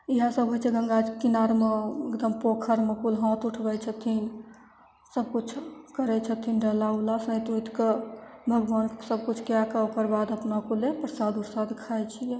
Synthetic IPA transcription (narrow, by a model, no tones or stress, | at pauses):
iɦãsəbɦojt͡ʃʰɛɡə̃ŋɡad͡ʒkinaɾmeekd̪əmpokʰəɾmekulɦãt̪uʈʰbɛt͡ʃʰət̪ʰin | səb̚kut͡ʃʰkəɾɛt͡ʃʰət̪ʰinɖəlaulasə̃t̪ujt̪kebʱəɡʋansəb̚kut͡ʃʰkjakəokəɾbad̪əpnakolepɾsad̪uɾsad̪kʰajt͡ʃʰijɛ